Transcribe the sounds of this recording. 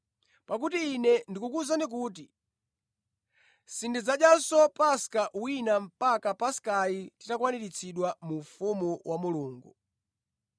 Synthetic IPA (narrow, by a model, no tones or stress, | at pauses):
pak̬utiːnɛndikukuzandik̬uːt̬i | sindid͡zaɗjansɔpaskaʔwinam̩pakapaskajiti̥takwaniɾit͡sʰiɗwamufumuwʔamuluːŋɡu